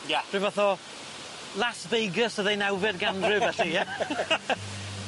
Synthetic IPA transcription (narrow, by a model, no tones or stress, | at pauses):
jḁr̥ɨvaθɔ | lasbejɡəsəðejnawvɛdɡanrɨvɛɬija